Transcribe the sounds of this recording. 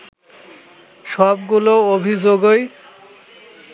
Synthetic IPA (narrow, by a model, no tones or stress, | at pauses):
ʃɔbɡuloobʱid͡ʑoɡoj